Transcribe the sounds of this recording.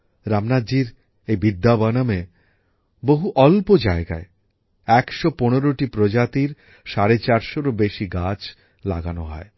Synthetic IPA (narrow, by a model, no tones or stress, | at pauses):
ɾamnad͡ʑiɾ | ejbid̪ːabɔname | boɦuʔɔlpod͡ʑaeɡa̰e | ɛkʃoponoɾoʈipɾod͡ʑat̪iɾ | ʃaɾet͡ɕaɾʃoɾobeʃiɡat͡ɕ | la̰ɡanoɦɔ̰e